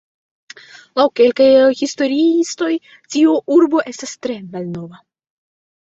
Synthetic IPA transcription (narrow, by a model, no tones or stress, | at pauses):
lawke̞lkajhisto̞ɾiisto̞j | tioʔuɾbo̞ʔe̞stastɾe̞malno̞va